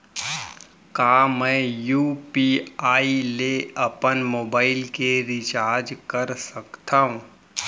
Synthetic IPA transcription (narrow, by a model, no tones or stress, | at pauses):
kaːmɛ̃ːjuːpiaːileɐpənmoːbaːɪlkeɾɪt͡ʃaːɾd͡ʒkɐəɾsɐkt̪aːɦũː